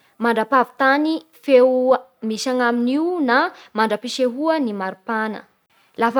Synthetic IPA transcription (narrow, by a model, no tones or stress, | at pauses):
maɳɖ͡ʐapavi̥t̪ani | fewmiʃaŋaminiwnamaɳɖ͡ʐapiʃeɦuənimaɾupanə̰ | laf